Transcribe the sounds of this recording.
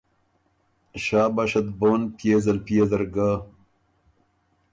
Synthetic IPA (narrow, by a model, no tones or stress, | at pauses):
ɕaːbaɕɐt̪̚boːnpjezɐlpjezɐɾɡa